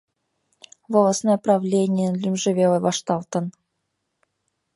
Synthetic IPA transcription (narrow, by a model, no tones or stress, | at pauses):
volˠɑsnojəprɑvlʲenʲɪjənlʲymʲʐɘ̆vʲelʲˠɤvɑʂt̪ɑlˠt̪ɤ̆n